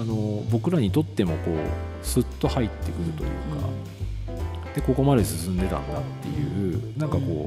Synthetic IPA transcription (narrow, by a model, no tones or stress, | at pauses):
ano̞bo̞kɯ̟ɾaɲ̟it̪o̞t̪ːe̞mo̞ko̞̰ː | sɨt̪ːo̞hait̪ːe̞kɯ̟ɾɯ̟t̪o̞̰jɯ̰ːka̰ | d̪̥e̞ko̞ko̞mad̪e̞sɨsɨ̃nd̪e̞t̪ã̰nd̪at̪ːe̞̰jɯ̟̰ːnãŋkako̞ː